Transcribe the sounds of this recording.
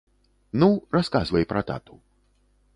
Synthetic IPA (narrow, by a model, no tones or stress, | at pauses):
nuɾaskazvɛjpɾat̪a̰t̪u